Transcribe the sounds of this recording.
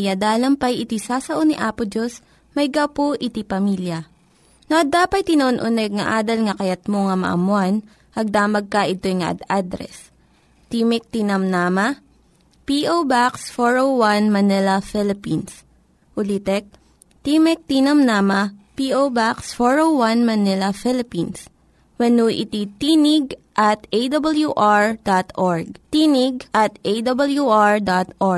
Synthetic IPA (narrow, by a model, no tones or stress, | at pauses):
jad̪aːlɐmpɐjʔɪt̪isaːsɐʔoniʔaːpʊd͡ʒos | mɐjɡɐpoʔɪt̪ipɐmiljɐ | noʔɐd̪ːaːpɐt̪̚t̪ːɪnɐʔonʔʊnɛɡ̚ŋɐʔaːd̪ɐlŋɐkɐjɐt̪̚moŋɐmɐ̰ʔɐ̰mʊan | ʔɐɡ̚d̪aːmɐɡ̚kɐʔɪt̪o̞jŋɐʔɐ̰d̪ad̪ɾɛ̰s | t̪imɛk̚t̪inɐmnaːmɐ | piʔowbaksfoɹowwanmɐnɪlɐfɪlɪpins | ʔʊlit̪ɛk̚ | t̪iːmɛk̚t̪inɐmnaːmɐpiːʔowbaksfoɹowwanmɐnɪlɐfɪlɪpins | wɐnuʔɪ̰t̪it̪iːnɪɡʔɐt̪ejd̪ɐbɐljuʔaɹd̪at̪ʔoɹɡ̚t̪iːnɪɡʔɐt̪ʔed̪ɐbɐljuʔaɹd̪at̪ʔoɹ